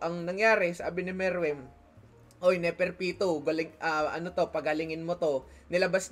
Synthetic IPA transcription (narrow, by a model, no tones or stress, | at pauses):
ʔɐŋnɐŋjaːɾɛsɐʔaːbɪnɪmɛɾwɛm | ʔojnɛpɛɾpiːt̪oɡɐlɪŋʔɐʔɐ̰not̪o̞pɐɡɐlɪŋɪnmot̪o̞nɪlɐbas